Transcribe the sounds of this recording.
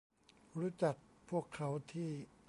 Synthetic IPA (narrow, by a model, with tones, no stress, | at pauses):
ɾuː˦˥t͡ɕa˨˩k̚pʰu˥˩əkʰːa˦˥wt̪ʰiː˥˩